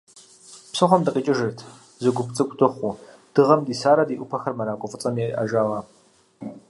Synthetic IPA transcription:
psɨχʷɔmdɨqʼiːt͡ʃʼɪʒɐrtʰ | zɨɡʷʊpʰt͡sʼɨkʷʼtʰʼɨχʷud̥ɨʁɐmdiːsaːɾɐdiːʔʷʊpʰɐxɐrmɐɾaːkʷʼɔfʼɨt͡sʼɐmiʔɐ̰ʒaːʁaː

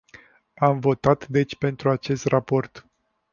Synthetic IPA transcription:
amvo̞t̪at̪d̪e̞t͡ʃʲpe̞nt̪ɾuat͡ʃe̞st̪rʔapo̞rt̪

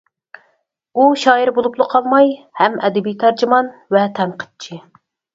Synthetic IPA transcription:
uʃɑːjiɾbolˠuplˠəqʰɑlˠmɑj | hɛmɛd̪ɪbijt̪ʰɛɾd͡ʒɪmɑnvɛt̪ʰɛmqʰə̥t͡ʃʰi

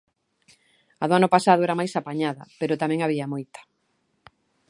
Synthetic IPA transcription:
aðʊanʊpasaðʊɛɾamajsapaɲaðɐ̰peɾʊt̪amɛ̃ŋaβiɐmojt̪ḁ

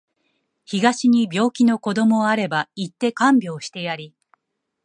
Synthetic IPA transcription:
çiɡaɕiɲ̟ibʲo̞ːkʲino̞ko̞d̪o̞mo̞aɾe̞bait̪ːe̞kãmbʲo̞ːɕi̥t̪e̞jaɾʲi

